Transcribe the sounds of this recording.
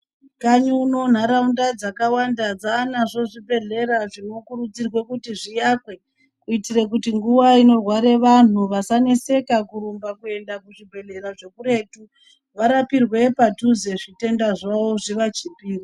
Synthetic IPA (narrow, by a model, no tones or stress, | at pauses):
kaɲuno̞n̤aɾaundad͡zakawandad͡zaːnaʐo̞ʐibʱe̞ɮe̞ɾaʐino̞kuɾud͡zirwe̞kutiʐijakwe̞ | kuitirek̬utiŋɡuʋaino̞rwaɾe̞ʋan̤uʋasanese̞kakuɾumbakue̞ndakuʐibʱe̞ɮe̞ɾaʐe̞kuɾe̞tu | ʋaɾapirwe̞patuze̞ʐite̞ndaʐaoʐiʋat͡ʃipiːri